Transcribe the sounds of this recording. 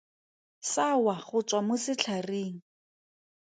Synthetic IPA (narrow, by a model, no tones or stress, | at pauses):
sawaχʊt͡sʼwamʊsɪt͡ɬʰareːŋ̩